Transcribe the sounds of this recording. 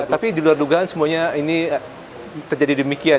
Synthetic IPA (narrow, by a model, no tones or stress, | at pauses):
t̪apidiluarduɡaansəmuaɲaini | t̪ərd͡ʒadidəmikia